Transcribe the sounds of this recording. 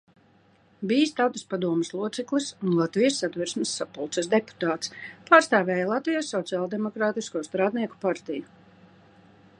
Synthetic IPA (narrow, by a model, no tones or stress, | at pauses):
bijst̪awt̪aspad̪uɔmɪslˠuɔt̪sɛklˠɨsunlˠat̪vijəsːad̪viɾsməsːapulˠt̪səs̬d̪epu̥t̪aːt̪spaːɾst̪aːvɛːjalˠat̪vijasːɔt̪siaːlˠd̪ɛmɔkɾaːt̪iskuɔst̪ɾaːd̪niɛku̥paɾt̪iju